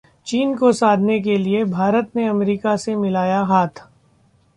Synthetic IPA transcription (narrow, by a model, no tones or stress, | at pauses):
t͡ʃiːnkosaːd̪ʱnek̬eliebʱaːɾət̪neɐmɾiːkasemɪlaːjaɦaːt̪ʰ